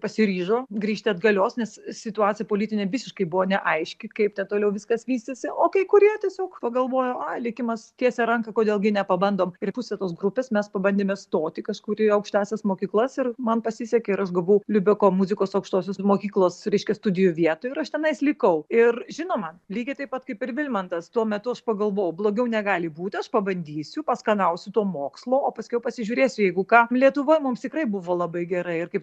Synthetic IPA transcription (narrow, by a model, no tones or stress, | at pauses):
pɐsʲɪɾʲiːʒoːɡɾʲiːʃʲt̪ʲɪɐd̪ɡɐlʲoːsnʲɛssʲɪt̪ʊɑːtt͡sʲɪjɛpoːlʲiːt̪ʲɪnʲeːʋʲɪsʲɪʃkɐɪbʊʋoːnʲɛʔɐɪʃʲkʲɪkɐɪptʲɛnt̪oːlʲɛʊʋʲɪskɐsʋʲiːsʲt̪ʲesʲɪʔoːkɐɪkʊɾʲiɛtʲiɛsʲoːkpɐɡɐlˠʋoːjoːɑlʲɪkʲɪmɐst̪ʲiɛsʲɛɾɐŋkɐkoːd̪ʲeːlˠɡʲɪnʲɛpɐbɐnd̪oːmɪɾpʊsʲɛt̪oːsɡɾʊpʲeːsmʲɛspɐbɐnʲd̪ʲeːmʲɛst̪oːt̪ʲɪkɐʃkuːɾʲɪɐʊkʃʲt̪ʲæːsʲɛsmoːkʲiːklˠɐsɪrmɐnpɐsʲɪsʲɛkʲeɪɾɐʃɡɐlˠʋoːʊlʲʊbʲɪkoːmuzʲɪkoːsɐʊkʃt̪oːsʲoːsmoːkʲiːklˠoːsɾʲɛɪʃʲkʲɛst̪ʊdʲɪjʊʋʲiɛt̪oːjʊɪɾɐʃt̪ʲɛnɐɪslʲɪkɐʊɪrʒʲɪnoːmɐnlʲiːɡʲɪt̪ɐɪpɐt̪kɐɪpɪrʋʲɪlʲmɐnt̪ɐst̪uɔmʲɛt̪ʊɐʃpɐɡɐlˠʋoːjʊblˠoːɡʲɛʊnʲɛɡɑːlʲɪbuːt̪ʲɐʃpɐbɐnʲd̪ʲiːsʲʊpɐskɐɐʊsʲʊt̪uɔmoːkslˠoːoːpɐsʲkʲɛʊpɐsʲɪʒʲuːɾʲeːsʲʊjɛɪɡʊkɑːlʲiɛt̪ʊʋoːjmʊmst̪ʲɪkrɐɪbʊʋoːlˠɐbɐɪɡʲɛɾɐɪɪrkɐɪp